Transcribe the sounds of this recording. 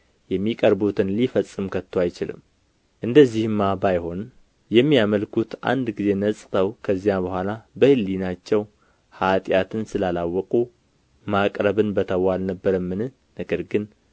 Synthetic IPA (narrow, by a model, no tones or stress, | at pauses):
jɛmːikʼəɾbut̪ʰɨnlifəsʼːɨmkʰət̪ʰːoajt͡ʃɪlɨ̰mː | ʔɨnd̪əzːihɨmːabajho̞n | jɛmːijaməlkʰut̪ʔa̰nd̪ɡize̞nəsʼt̪ʰəwkʰəzːjabəhʷalabəhɨlːinat͡ʃːɛw | hat̪ʼjat̪ʰɨnsɨlalawːɔkʼu | makʼɾəβɨnbət̪ʰəwːalnəbːəɾəmːɨnɨh | nəɡəɾɡɨn